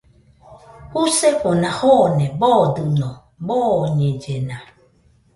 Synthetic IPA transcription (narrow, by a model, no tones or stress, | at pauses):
huseɸonãhɔnɛ̃bɔd̪ɯnɔ̃ | bɔɲẽd͡ʒenã